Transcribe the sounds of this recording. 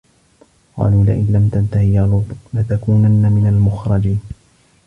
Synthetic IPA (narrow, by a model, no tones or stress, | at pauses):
qɑ̰ːluːlaʔɪnlamt̪ant̪ahɪjalʊlat̪akuːnanːamɪnalmʊxɾˤɑd͡ʒiːn